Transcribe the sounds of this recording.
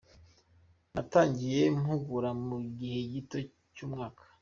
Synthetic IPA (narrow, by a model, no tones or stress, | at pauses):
nataːɲɟije̞mhuɡuɾamuɡihe̞ɟito̞ | cuːmŋaːkʰḁ